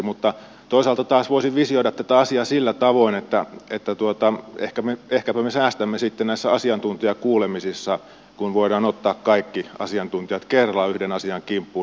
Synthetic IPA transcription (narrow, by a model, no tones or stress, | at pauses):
mut̪ːɑ | t̪oˑisɑlt̪ɑt̪ɑːsʋoˑisiʋʋisioiɾɑt̪t̪æt̪æɑsiɑsilːæt̪ɑʋoinet̪ːæet̪ːæt̪uot̪ɑḛhkæmeehkæpæmesæːst̪æmːesit̪ːennæˑisːæɑsiɑnt̪unt̪ijɑkuːlemisisːɑ | kunʋoiɾɑːnot̪ːɑːkkɑikːiɑ̰siɑnt̪unt̪ijɑt̪kerlɑyhdenɑsiɑŋkimpːu